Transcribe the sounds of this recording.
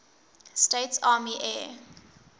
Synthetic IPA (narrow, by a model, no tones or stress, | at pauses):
steɪtsɑːmiʔɛ̰ː